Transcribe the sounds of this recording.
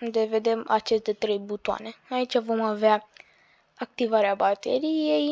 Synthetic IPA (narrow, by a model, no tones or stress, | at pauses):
d̪e̞ved̪ema̰t͡ʃe̞st̪e̞t̪ɾe̞jbut̪ua̰neait͡ʃʲavo̞mavea | ak̚t̪ivaɾeabat̪eɾijej